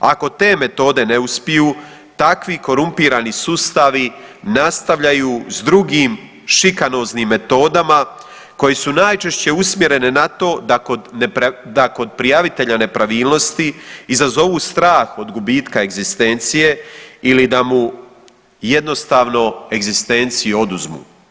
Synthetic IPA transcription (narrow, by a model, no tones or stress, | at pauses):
a̰ko̞t̪e̞ːme̞t̪o̞ːd̪e̞ne̞uspijuː | t̪akʋiko̞ɾumpiːɾaːnisust̪aʋinast̪aʋʎajuːzd̪ɾuɡiːm | ʃikano̞ːznimːe̞t̪o̞ːd̪ama | ko̞jesunaːjt͡ʃe̞ʃt͡ɕe̞usmje̞ɾe̞nenat̪o̞ːd̪akod̪nd̪ako̞d̪̚pɾijaʋit̪e̞ʎane̞pɾaʋiːlˠno̞st̪iizazo̞ʋuːst̪ɾaːxo̞d̪ɡubiːt̪kae̞ɡzist̪e̞nt̪sije̞ilid̪amu | je̞d̪no̞st̪aːʋno̞e̞ɡzist̪e̞nt̪sijio̞d̪uzmṵː